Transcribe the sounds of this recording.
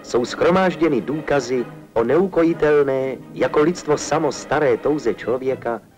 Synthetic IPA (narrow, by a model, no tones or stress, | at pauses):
so̞wsxɾo̞maːʒɟɛnɪduːkazɪ | ʔonɛuko̞jɪt̪ɛlnɛːjako̞lɪt͡st̪vosamost̪aɾɛːt̪o̞wzɛt͡ʃlovjɛka